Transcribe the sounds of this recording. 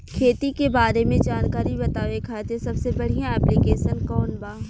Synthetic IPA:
kʰeːt̪ikebaːɾemẽd͡ʒaːnkaːɾibɐt̪aːʋekʰaːet̪esɐbsebɐɽ̤ijãɛːplikeːʃənkɔːnbaː

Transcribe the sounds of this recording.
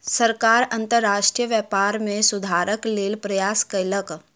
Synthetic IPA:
səɾkaːɾɐ̃nt̪əɾːaːʃʈɾijəʋjəːpaːɾmẽsʊd̪ʱaːɾəkleːlpɾɐjaːskələk

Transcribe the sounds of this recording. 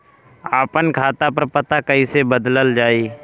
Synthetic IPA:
aːpənkʰaːt̪apəɾpət̪akəisebəd̪ləld͡ʒaːiː

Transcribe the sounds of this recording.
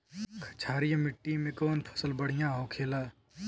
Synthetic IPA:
kʰɐt͡ʃʰaːɾijãmɪʈːimẽkɔːnpʰə̥səlbəɽ̤ɪjãɦoːkʰeːlaː

